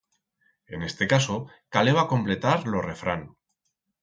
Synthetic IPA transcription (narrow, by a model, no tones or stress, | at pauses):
e̞ne̞st̪e̞kaso | kaleβakõ̞mple̞t̪aɾlo̞re̞fɾa̰n